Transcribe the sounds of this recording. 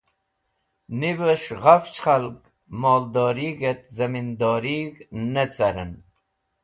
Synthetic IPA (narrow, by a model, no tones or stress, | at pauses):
nibəʂʁaft͡ʃχalk | mɑːld̪ɑːɾiɡet̪zɐmind̪ɑːɾiɡnət͡saɾən